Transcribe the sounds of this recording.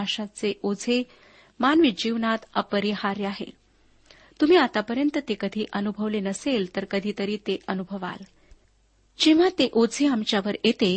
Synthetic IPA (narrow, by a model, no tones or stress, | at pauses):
aʂat͡seʔod͡zʱe | manʋid͡ʑiʋnat̪əpəɾihaɾjaɦḛ | t̪um̤iːat̪apəɾjənt̪ət̪ekəd̪ʱiːʔənubʱəʋlenəselt̪əɾkəd̪ʱiːt̪əɾiːt̪eʔənubʱəʋa̰l | d͡ʑiʋ̤at̪eʔod͡zʱeamt͡ɕjaʋəɾjet̪e